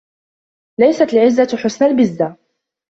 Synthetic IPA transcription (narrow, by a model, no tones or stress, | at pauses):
lajsat̪lʕɪzːaħʊsnalbɪzːa